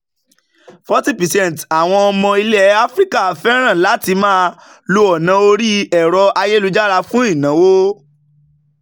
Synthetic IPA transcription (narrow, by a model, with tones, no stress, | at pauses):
fɔ˦ti˦˨pɛ˨sɛ̃˦˨n˨ta˨w̃ɔ̃˧ɔ˧mɔ̃˧i˧lɛ˦˨a˦fɾi˦ka˦˨fɛ˦ɾ̃ã˦˨la˨˦ti˧mãː˦ | lu˧ɔ˨nã˧˦o˧ɾi˦ɛ˨ɾɔ˨˧ʔa˧je˦lu˧d͡ʒa˦ɾa˧fũ˦i˦˨nã˨˦wo˦